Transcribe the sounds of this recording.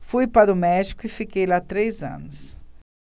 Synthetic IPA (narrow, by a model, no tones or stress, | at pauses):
fujpaɾʊmɛʒikʊɪfikejlat̪ɾejzɐ̰̃nʊs